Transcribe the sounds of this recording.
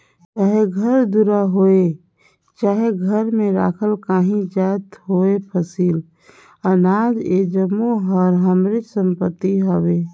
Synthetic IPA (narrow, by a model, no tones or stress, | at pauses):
t͡ʃaːɦeɡʱəɾd̪uɾaɦoːe | t͡ʃaːɦeɡʱəɾmẽɾa̰ːkʰəlkaːɦĩd͡ʒaːt̪ɦoːepʰəsiːl | ənaːd͡ʒḛd͡ʒəmːoɦɔːɾɦəmɾɪt͡ʃsə̃mpət̪ːiɦowe